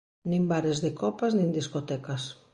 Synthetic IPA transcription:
nĩmbaɾezðɪkɔpaznĩnd̪iskot̪ɛkas

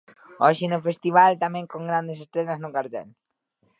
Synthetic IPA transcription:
ɔʃɪnʊfest̪iβ̞alt̪amɛ̃ŋkoŋɡɾand̪es̬est̪ɾeʎaznʊkaɾt̪ɛ̰l

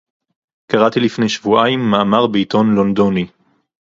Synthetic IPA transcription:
kaʁat̪ilifnejʃvuʔaimːaʔamaʁbeit̪o̞nlond̪oni

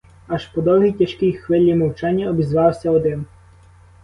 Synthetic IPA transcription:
ɐʃpɔd̪ɔwɦʲijtʲɐʃkɪjxʋɪlʲːimɔwt͡ʃɑnʲːɐɔbʲizʋɑwsʲɐɔd̪ɪn

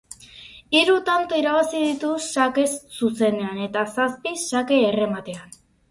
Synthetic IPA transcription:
iɾut̪ant̪oiɾaβasiðit̪usake̞sːuse̞ne̞ane̞t̪asaspisake̞ːre̞mat̪e̞an

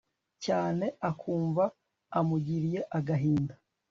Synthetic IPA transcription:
caːne̞akʰuːɱvaː | muɟiɾije̞ʔaɡaɦiːnda

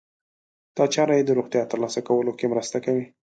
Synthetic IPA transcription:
d̪̥ɑt͡ʃɑɾɑjed̪əɾoɣt̪jɑt̪əɾlɑsakawəlokemɾəst̪akawi

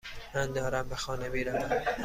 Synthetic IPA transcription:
mænd̪ɒːɾæmbexɒːnemiːɾavam

